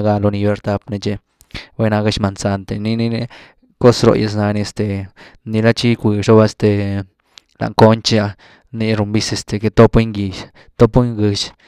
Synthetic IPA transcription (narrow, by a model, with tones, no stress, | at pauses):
ɡa˧lo˧ni˧be˧ɾt̪a˧pne˧t͡ʃe˧ | we˧˦na˧ɡa˧˦ʃma˧nsa˧nt̪e˧ni˦ni˦ne˧ | ko˦sɾo̰˧˨jʔḛ˧s̬na˧ni˧e˧st̪e˨ni˧la˦t͡ʃi˦kʷi˨ʂo˦ba˦e˧st̪e˨ | la̰˨ŋko˦nt͡ʃa˧ | ni˧ɾu˧mbi˦se˧st̪e˨ke˧t̪o˦pwe˦ŋɡi˧ʃ | t̪o˦pwe˦ŋɡɨ˧ʃ